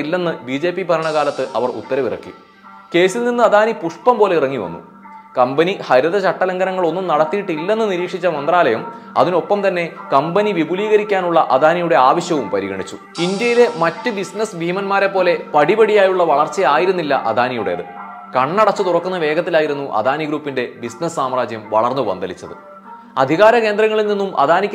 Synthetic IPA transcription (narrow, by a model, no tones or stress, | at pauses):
ilːe̞nːɨbid͡ʑe̞ːpːibʱɐɾɐɳɐɣaːlɐt̪ːɨʔɐ̰ʋɐrṵt̪ːɐɾɐʋirɐ̰kːḭ | ke̞ːsilninːɨɐd̪ʱaːnipuʂpɐmpo̞ːleirɐŋːiʋɐ̰nːṵ | kɐmbɐnihɐɾuðɐt͡ɕɐʈːɐlɐŋɡɐɾɐŋːɐɭo̞nːumnɐɽɐt̪ːijiʈːilːe̞nːɨniɾiːkʂit͡ɕːɐmɐnd̪raːlɐjɐmɐ̰ðino̞pːɐmt̪ɐnːe̞kɐmbɐniʋibuliːɣɐɾikʲːaːnuɭːɐʔɐd̪ʱaːnijuɽe̞aːʋɐɕjɐʋumpɐɾiɣɐɳit͡ɕːu | indjɐjile̞mɐtːɨbisnɐsʋʱiːmɐnmaːɾe̞pːo̞ːle̞pɐɽibɐɽijaːjuɭːɐʋɐɭɐrt͡ɕejaːjiɾunːilːɐ̰ʔɐ̰d̪ʱaːnijuɽḛɐðɨ̰ | kɐɳːɐɽɐt͡ɕːɨt̪urɐkːunːɐʋe̞ːɡɐt̪ːilaːjiɾunːuʔɐ̰d̪ʱaːniɡɾuːpːinde̞bisnɐssaːmraːd͡ʑjɐmʋɐɭɐrnːuʋɐ̰nd̪ɐlit͡ɕːɐðɨ̰ | ɐd̪ʱiɣaːɾɐke̞ːnd̪rɐŋːɐɭilninːumʔɐ̰d̪ʱaːnikʲː